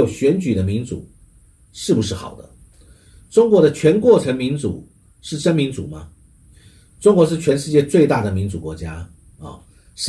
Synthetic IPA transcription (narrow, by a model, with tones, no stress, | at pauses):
o˨˩ʊɕɥɛ˧˥nt͡ɕy˨˩d̪ə˦mi˧˥nt͡sṵ˨˩˦ | ʂɻ̩˥˩pu˩ʂɻ̩˥˩xɑ̰˨˩ʊd̪ə̰˦ | ʈ͡ʂʊ˥ŋkwɔ˧˥ɾə˧t͡ɕʰɥɛ˧˥nkwɔ˥˩ʈ͡ʂʰə˧˥ŋmi˧˥nt͡sṵ˨˩˦ | ʂɻ̩˥˩ʂə˥nmi˧˥nt͡sṵ˨˩mɐ˦ | ʈ͡ʂʊ˥ŋkwɔ˧˥ʂɻ̩˥˩t͡ɕʰɥɛ˧˥nʂɻ̩˥˧t͡ɕjɛ˥˧t͡swe˥˧ɪt̪a˥˩d̪ə˩mi˧˥nt͡su˨˩kwɔ˧˥t͡ɕja˥ | ɔ̰˨˩ | ʂ